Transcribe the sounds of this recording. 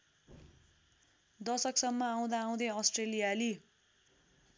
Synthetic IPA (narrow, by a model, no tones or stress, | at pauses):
d̪ʌsʌksʌmːʌaw̃d̪aːw̃d̪eʌsʈrelijali